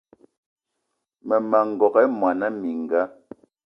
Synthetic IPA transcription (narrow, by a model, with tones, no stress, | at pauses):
mɛ˨ma˨ŋ̩˨ɡɔ˨kɛ˦mwa˨na˦mi˨ŋ̩˨ɡa˦